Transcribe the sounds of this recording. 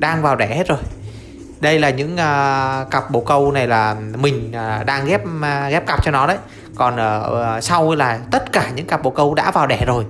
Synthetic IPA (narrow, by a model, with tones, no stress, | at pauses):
ɗaː˧ŋvaː˨˩wɗɛ˧˩he˦˥t̚zo˨˩j | ɗə˧jlaː˨˩ɲɨ̰˧˥ŋʔəː˧ka˨˩p̚ɓo̰˨˩kə˧wna˨˩jlaː˨˩mï˨˩ŋ̟˩ɗaː˧ŋɣɛ˦˥p̚ːɣɛ˦˥p̚ka˨˩p̚t͡ɕɔ˧nɔ˨˦ɗə˨˦j | kɔ˨˩nʔəː˧˩sa˧wlaː˨˩t̪ə˦˥t̚kaː˧˩ɲɨ̰˧˥ŋka˨˩p̚ɓo̰˨˧˩kə˧wɗa̰ː˧˥vaː˨˩wɗɛ˧˩zo˨˩j